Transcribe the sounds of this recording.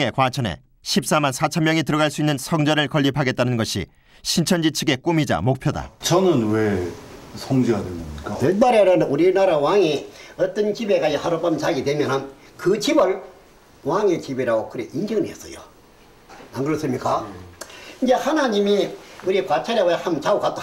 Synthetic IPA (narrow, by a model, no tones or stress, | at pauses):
ŋe̞kwat͡ɕʰʌne̞̰ | ɕʰip̚s͈amansʰat͡ɕʰʌmjʌŋitɯɾʌɡaɭs͈uinːɯnsʰʌŋd͡ʑʌɾɯɭkʌʎːipʰaɡe̞t̚t͈anɯnɡʌɕʰḭ | ɕʰint͡ɕʰʌnd͡ʑit͡ɕʰɯɡe̞k͈umid͡ʑa̰mok̚pʰjʌda̰t͡ɕʌnɯnwe | sʰʌŋd͡ʑijadwenmɲik͈aendaɾeɾʌnuɾinaɾawaŋiʌt͈ʌnt͡ɕibeɡaihaɾopamt͡ɕaɡidwemjʌnɯn | kɯt͡ɕibɯɭ | waŋet͡ɕibeɾaɡokɯɾeʔind͡ʑʰʌŋnies͈ʌjo̰ | anɡɯɾʌs͈ɯmɲik͈a | ind͡ʑe̞hanaɲimiuɾikwat͡ɕʰaɾjaɡoehamt͡ɕaukat͈